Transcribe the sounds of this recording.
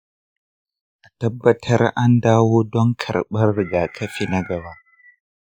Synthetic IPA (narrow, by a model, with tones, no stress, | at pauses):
ʔa˨tɐ˦bːɐ˦tʰɐ˦ɾa˦nda˦wo˦dɔ˦ŋkʰɐ̰˨ɾɓɐ˦ɾːɡa˨kʰɐ˦fi˦na˦ɡa˨wa˦